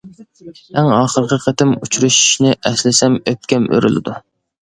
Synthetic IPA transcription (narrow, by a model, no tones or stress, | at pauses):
æŋɑːχəɾqʰəqʰət̪ɪmut͡ʃʰuɾuʃu̥ʃnɪʔɛslɪsɛmøp̚kʲɛmø̰ɾy̰lɪ̰d̪u